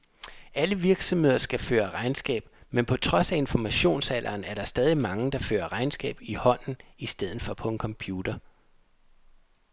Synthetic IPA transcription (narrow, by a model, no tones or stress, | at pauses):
æləʋiɐɡ̥sɒ̽mhe̝ð̞̰ˠɐsɡ̥æfø̰ːɐʁɑ̈ɪnsɡ̥ɛ̰ːb̥menpʰɒ̽t͡sʰʁɒ̽sæe̝nfɒmæɕo̝̰ːnsælʔɐːnæɐɾ̥ɑ̈sd̥ɛːð̞ˠimɑ̈ŋəd̥ɑ̈fø̰ːɐʁɑ̈ɪnsɡ̥ɛ̰ːb̥ihɒ̽n̰n̩isd̥eð̞̰ˠð̩ˠfɒ̽pʰɒ̽e̝nkʰɒ̽mpʰjuːd̥ɐ